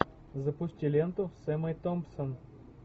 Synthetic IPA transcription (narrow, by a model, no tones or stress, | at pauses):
zɐpʊsʲtʲɪlʲent̪ʊsɛmɐjt̪ompson